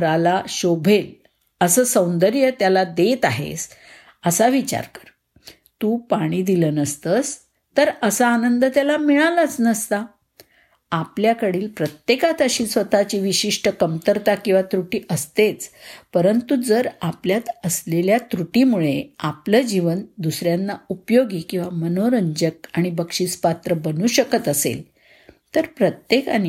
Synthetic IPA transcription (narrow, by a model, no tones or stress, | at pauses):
ɾalaɕobʱel | əsəːsə̃w̃nd̪əɾjət̪jalad̪et̪aɦḛs | əsaʋit͡ɕa̰ɾkə̥ɾ | t̪uːpaɽ̃iːd̪iləːnəst̪ət͡s | t̪əɾəsaːnənd̪ət̪jalamiɭalat͡snəst̪a | apljakəɽiːlpɾət̪jekat̪əɕiːsʋət̪at͡ɕiːʋiɕiʂʈəkəmt̪əɾt̪akĩw̃ʋat̪ɾuʈiːʔəst̪et͡spəɾənt̪ud͡zəɾapljat̪əsleljat̪ɾuʈimuɭeapləd͡ʑiʋənd̪usɾjanːaupjoɡikĩw̃ʋamənoɾəɲd͡ʑək̚aɽ̃ibəkʂiːt͡spat̪ɾəbənuːɕəkət̪əsḛl | t̪əɾpɾət̪jekani